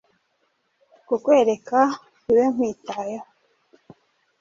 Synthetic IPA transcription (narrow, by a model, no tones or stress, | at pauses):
kukwe̞ːɾeka | uwem̥wiːtaja